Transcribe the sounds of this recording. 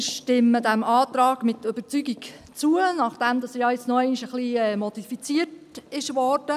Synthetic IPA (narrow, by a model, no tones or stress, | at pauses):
ʃtɪmːədæmɑːt̪ɾɑːɡmɪtøb̥ət͡syɡik | t͡suənɑχd̥ɛmd̥ɑsəjɑjɪt͡snɔæniʃəχliɛːmɔd̥ifit͡siətɪʃʋɔːrd̥ə